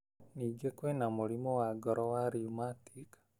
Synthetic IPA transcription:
niːɡekwenamolimɔwaɡɔɾɔwaɾiumatik

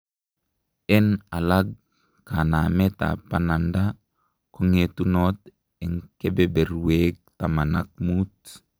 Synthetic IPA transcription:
ɛnalaɡ̚ | kanamet̪a̰pananda | koŋet̪unot̪̚ | ɛŋkebebɛruweɡ̚t̪amanak̚mut̪̚

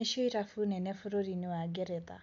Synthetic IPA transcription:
eʃoiɾafunɛnɛfʊɾoɾinɪwaɡɛɾɛta̰

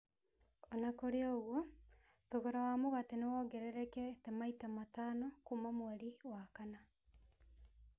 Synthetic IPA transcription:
ɔnakoɾeɔɣwo | ðoɣoɾawamoɣatenewɔɡɛɾɛɾɛkɛtemaitamatanokumamwaɾiwakana

